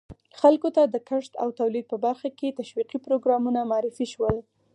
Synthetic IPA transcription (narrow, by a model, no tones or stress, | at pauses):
xalkot̪ad̪əkəʂt̪a̰wt̪awlid̪̚pəbaɾxaket̪aʃwiqipɾoɡɾɑmunamɑɑɾɪfiʃwəl